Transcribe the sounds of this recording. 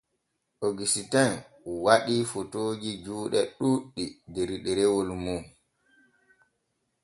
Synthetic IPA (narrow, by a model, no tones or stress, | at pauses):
ʔoɡisitɛn | waɗifotoːd͡ʒid͡ʒuːɗɛɗuɗːideɾiɗɛɾɛwolumum